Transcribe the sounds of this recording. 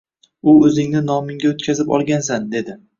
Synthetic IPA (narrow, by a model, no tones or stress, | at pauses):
ʊɵzɪŋnɪnɒmɪŋɡʲaot̪kʲʰazɪpɒ̰lˠɡʲans̬and̪e̞d̪ɪ